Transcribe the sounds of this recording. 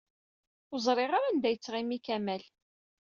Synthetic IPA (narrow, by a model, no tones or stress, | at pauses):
ʊzˤɾˤɪʁaɾænd̪æjət͡sːʁimikæmæl